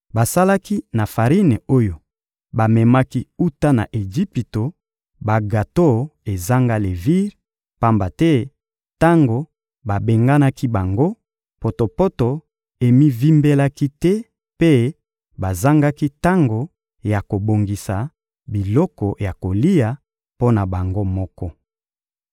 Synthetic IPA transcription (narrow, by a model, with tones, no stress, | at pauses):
ba˨sa˦la˦ki˦na˨fa˨ʁi˦ne˨o˦jo˨ | ba˨mɛ˨ma˦ki˦u˦ta˦na̰˨ʔe˨ʒi˦pi˨to˨ | ba˨ɡa˨to˦˨e˨za˦ŋɡa˦le˨vi˦ʁ | pa˦mba˨tɛ˦ | ta˦ŋɡo˨ | ba˨be˨ŋɡa˦na˦ki˦ba˨ŋɡo˦ | po˨to˨po˦to˨ | e˨mi˦vi˦mbe˦la˦ki˦tɛ˦ | pe˦ | ba˨za˦ŋɡa˦ki˦ta˦ŋɡo˨ | ja˨ko˨bo˨ŋɡi˨sa˨ | bi˨lɔ˦kɔ˨ja˨ko˨li˦ja˨ | po˦na˨ba˨ŋɡo˦mɔ˦kɔ˦